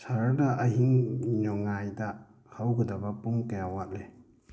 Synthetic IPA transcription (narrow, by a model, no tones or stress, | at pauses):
saɾadaʔːɦiŋɲɔŋajda | hawɡɐdabɐpuŋkajawat̚le